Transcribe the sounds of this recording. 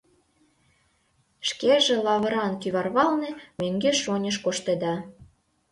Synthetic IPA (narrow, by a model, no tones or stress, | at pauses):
ʃkeʒĕlɑβə̆ɾɑnkyβɑrβɑlnĕmøŋɡeʃonʲəʃkoʃt̪ed̪ɑ